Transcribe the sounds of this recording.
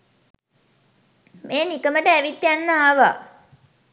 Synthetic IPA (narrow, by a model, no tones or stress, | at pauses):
meːnikəməʈəæʋit̪ːjanːəaːʋa̰